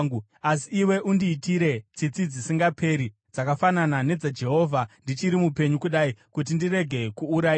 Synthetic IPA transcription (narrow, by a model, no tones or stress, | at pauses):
ŋɡu | asiːwe̞ʔundiːtiɾe̞t͡sit͡sid͡zisiŋɡapʰe̞ɾi | d͡zakafananane̞d͡zad͡ʒe̞ɦo̞ːvʱandit͡ʃiɾimupe̞ɲukuɗaikut̬indire̞ɡʱe̞kuːɾai